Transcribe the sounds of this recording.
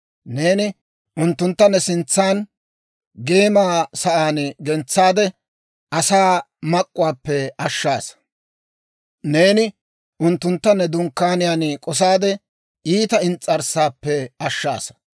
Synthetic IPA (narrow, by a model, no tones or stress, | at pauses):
ne̞ːnɪ | ʔʊnt̪ːʊnt̪ːɐnɛsɪnt͡sːaːn | ɡe̞ːmaːsɐʔaːnɡɛnt͡sːaːd̪ɛ | ʔɐsaː | mɐkʼːʊwaːpːɛɐʃːaːs | ne̞ːnɪ | ʔʊnt̪ːʊnt̪ːɐnːɛd̪ʊŋkːaːnɪjaːnkʼɔs̬aːd̪ɛ | iːt̪ɐɪnt͡sʼːɐɾsaːpːɛɐʃːa̰ːs